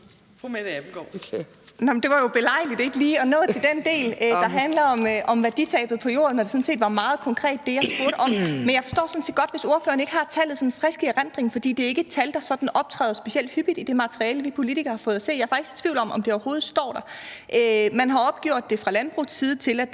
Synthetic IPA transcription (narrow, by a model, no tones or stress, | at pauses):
mebɡ̥ɒ̰ | nɑmn̩d̥e̝ʋɑ̈jo̝b̥e̝lɑ̈ɪ̰lid̥e̝ɡ̥əliːɒ̽nɔ̰̽ːðˠt͡sʰe̝ld̥end̥e̝̰ːld̥ɑ̈ɦænlɐɒ̽mʔɒ̽mʋæɐd̥it͡sʰɛ̰ːb̥ð̩ˠpʰɒ̽jo̝̰ːɐnːɒd̥e̝sɔ̽n̩se̝̰ːd̥ʋɑ̈mɑ̈ːð̞̩ˠkʰɒ̽ŋkʰʁɛ̰ːd̥ːe̝jɑ̈sb̥uɐɾəɒ̽m̰menjɑ̈ɪfɒ̽sd̥ɔ̰ːsɒ̽nse̝̰ːdɡ̥ɒ̽d̥ʋe̝so̝ɐfø̰ːɐneɡ̥əhɑ̈t͡sʰɛlð̞̩ˠsɔ̽nnfʁɛsɡ̥iʁand̥ʁeŋfɒ̽d̥ḭːd̥e̝æɐe̝ɡ̥ə̥t͡sʰæld̥ɑ̈sɒ̽d̥n̩ɒ̽b̥̚t͡sʰʁɛ̰ːð̩ˠsb̥e̝siel̰d̥hyb̥id̥id̥e̝mɑ̈t͡sʰʁiɛːləʋipʰo̝lit͡sʰiɡ̥ɐhɑ̈fɔ̽ːð̩ˠæse̝̰ːjɑ̈ɐfɑ̈ɡ̥ise̝̥t͡sʰʋiʊ̰lɒ̽mʔɒ̽md̥e̝ɒʊɐho̝ːð̞̩ˠsd̥ɒ̰ːd̥ɑ̈ʔømænɦɑ̈ɒ̽b̥̚ɡ̥jo̝̰ɐ̰d̥ːe̝fʁɑ̈lænb̥ʁṵsːiːð̞̩ˠət͡sʰe̝læd̥